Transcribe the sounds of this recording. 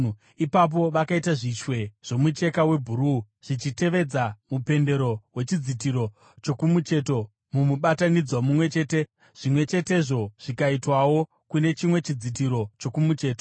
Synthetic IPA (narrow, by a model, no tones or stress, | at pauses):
ipap̬o̞ʋakaitaʐit͡ʃwe̞ʐ̥o̞mut͡ʃe̞kawe̞bʱuɾu | ʐ̥it͡ʃite̞ʋe̞d͡zamupe̞nde̞ɾo̞we̞t͡ʃid͡zitiɾo̞ | t͡ʃo̞kumut͡ʃe̞to̞ | mumuɓatanid͡zwomumwe̞t͡ʃe̞ːte̞ | ʐ̥imwe̞t͡ʃe̞te̞ʐo̞ʐ̥ikaitwawo̞ | kune̞t͡ʃimwe̞t͡ʃid͡zit̬iɾo̞t͡ʃo̞kumut͡ʃe̞ːto